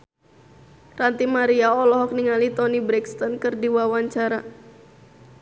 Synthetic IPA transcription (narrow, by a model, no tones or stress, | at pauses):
rant̪imaɾiaɔlɔɦɔk̚niŋalit̪ɔnibɾɛkst̪ɔnkɨrdiwawaɲt͡ʃaɾa